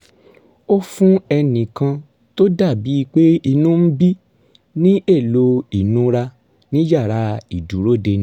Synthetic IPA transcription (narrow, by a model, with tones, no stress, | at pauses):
o˦fũ˦ɛ˧nĩ˨kã˧ | to˦da˦˨bi˨˦i˧k͡pe˦i˧nũ˦m̩˦bi˦ | nĩ˦e˦˨lo˧i˨nũ˨˦ɾa˧ | nĩ˦d͡ʒa˦˨ɾa˧i˨dũ˨˦ɾo˦˨de˧nĩ˧˦